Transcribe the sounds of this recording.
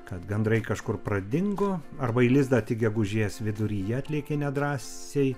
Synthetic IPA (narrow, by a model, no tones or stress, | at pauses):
kɐt̪bʲɛnd̪ɾɐɪkɐʃkʊrprɐd̪ʲɪŋɡʊɐrbɐiːlʲɪzd̪ɐːtʲɪɡʲɛɡʊʒʲiɛsʋʲɪd̪ʊɾʲiːjɛɐt̪ʲlʲiɛkʲenʲɛd̪ɾɑːsʲej